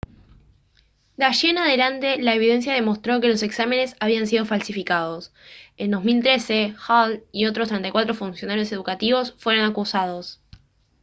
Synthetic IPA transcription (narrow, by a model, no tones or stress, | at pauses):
d̪aʃenaðe̞lant̪e̞laeβ̞iðe̞ns̬jað̞emo̞st̪ɾo̞ke̞lose̞ksame̞ne̞saβians̬iðo̞falsifikað̞o̞s | end̪o̞zmilt̪ɾe̞sexalio̞t̪ɾos̬t̪ɾent̪ajkwat̪ɾofunsjo̞naɾjo̞se̞ðukat̪iβo̞sfwe̞ɾonakusað̞o̞s